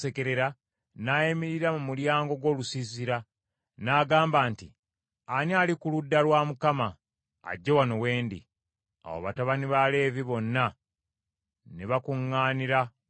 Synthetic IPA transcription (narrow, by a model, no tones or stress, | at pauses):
se̞ke̞ɾe̞ɾa | naːjemiɾiɾamumuljaːŋɡo̞ɡwo̞ːlusiziɾa | naːɡaːmbaːnti | anialikuludːalwaːmukama̰ː | ɟːewano̞we̞ːndḭ | a̰wo̰βataβaniβale̞ːviβo̞nːa | neβakuŋːaːniɾa